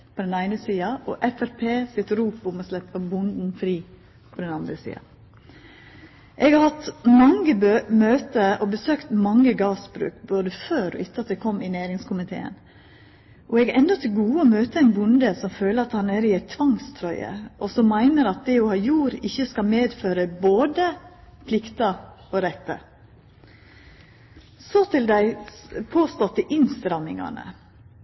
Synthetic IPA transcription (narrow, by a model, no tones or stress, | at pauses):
pʰɔd̪ɛnæɪnəsiːɑʔɔʔɛfæɾpʰeːsɪt̪ɾuːpʊmɔslɛpːəbʊnd̪n̩fɾiː | pʰɔd̪ɛnɑnd̪ɾəsḭːɑ̰ | ʔɛɡɑɾhɑt̪mɑŋːəbømøːt̪əɔbəsøːkt̪mɑŋːəɡɑːsbɾʉ̰ːkboːd̪əføːɾɔ̰ʔɪt̪ːəɑt̪̚d̪ɛkʰɔmɪnæːɾɪŋskʰʊmɪt̪ʰḛːə̰n | ʔɔɛɡɛnd̪ɔt̪ʰɪlɡuːəɔmøːt̪əæɪnbʊnd̪əsɔmføːləɾɑt̪hɑnæɾɪɛɪt̪ʰʋɑŋst̪ʰɾɔʏə̰ʔɔsɔmːæɪnəɾɑt̪̚d̪ɛɔhɑːjuːɾɪçːəskɑmeːd̪føːɾəboːd̪əpʰlɪkt̪ɑɔɾɛt̪ːə̰ | sɔt̪ʰɪld̪æɪpʰoːst̪ɔt̪ːɪʔɪnst̪ɑɾɑmɪŋɑ̰nə̰